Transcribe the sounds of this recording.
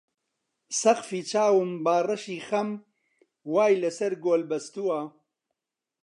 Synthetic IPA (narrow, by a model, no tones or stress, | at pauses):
sɐqfiːt͡ʃʰaːwɨmbaːrɐʃiːxɐm | waːjlɐsɐɾɡoːlbɐst̪uwaː